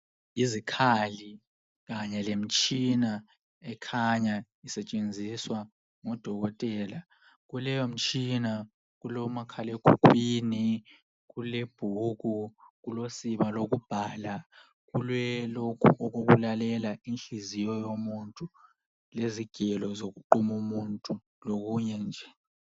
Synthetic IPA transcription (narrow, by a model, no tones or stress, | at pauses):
izikʰali | kaɲɛlem̩t͡ʃʼina | ɛkʰaɲa | isɛt͡ʃʼend͡zʱiswa | ŋɔd̥ʱɔɣ̬ɔtʼɛːla | k̬ulɛjom̩t͡ʃʼina | k̬ulɔmakʰalekʰukʰʼwiːni | kuleb̥ʱuk̬uk̬ulosiɓalok̬ub̥ʱaːla | k̬ulwɛlɔkʰuk̬ok̬ulalɛlainɬizijɔjomuntʼu | leziɡ̥ʱɛlɔzok̬uǃumumuntʼu | lok̬uɲɛnd͡ʒʱɛ